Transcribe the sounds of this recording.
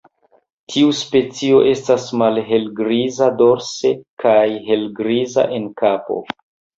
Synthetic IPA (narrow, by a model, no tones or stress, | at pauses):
tʰiuspe̞t͡sio̞ʔe̞stasmalɦe̞lɡɾizado̞ɾse̞kajɦe̞lɡɾiza̰ʔe̞nkapo̞̰